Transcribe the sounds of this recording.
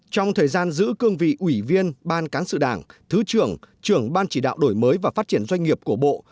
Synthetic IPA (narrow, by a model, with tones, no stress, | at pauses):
t͡ɕɔ˧wŋ͡mt̪ʰəː˨˩jzaː˧nzɨ̰˧˥kɨ˧əŋvḭ˧˨ʔwi˧˩vi˧ənɓaː˧nkaː˨˦nsɨ̰˧˨ɗaː˧˩ŋt̪ʰɨ˨˦t͡ɕɨ˧˩əŋt͡ɕɨ˧˩əŋɓaː˧nt͡ɕi˧˩ɗa̰ː˧˨wɗo˧˩jməː˨˦jvaː˨˩faː˦˥t̚t͡ɕi˧˩ənzwa˧jŋ̟ŋi˨˩əp̚ku˧˩əɓo̰˧˨